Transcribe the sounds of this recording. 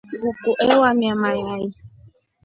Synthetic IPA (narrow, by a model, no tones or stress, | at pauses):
ɡukuʔɛwamjamajai